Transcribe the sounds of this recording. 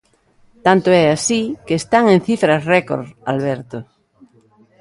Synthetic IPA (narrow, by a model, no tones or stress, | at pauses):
t̪ant̪oɛasikeːst̪aŋẽnθifɾazreko̰ɾa̰lβ̞eɾt̪o